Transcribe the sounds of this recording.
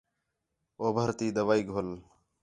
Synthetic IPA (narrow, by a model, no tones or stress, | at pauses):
oːbʱəɾt̪iːd̪əʋaːiːɡʱol